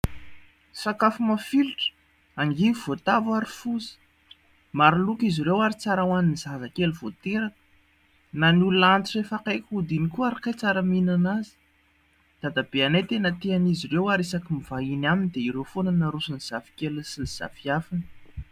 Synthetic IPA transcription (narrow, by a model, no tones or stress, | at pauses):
sakafumafiliʈ͡ʂə̥ | aŋɡivivot̪avwaɾifuzə̥ | maɾilukiziɾewaɾit͡saɾawaninizazəkeluv̥ot̪eɾakə̥ | nanuluant̪iefakajkʲud̪inikuaɾikajt͡saɾaminanazi̥ | d̪̥ad̪abeanajt̪enət̪eanizirewaɾisakimiv̥ainaminid̪eiɾewfonanaɾusaniz̥avi̥kelsiliz̥a̰fiafinə̥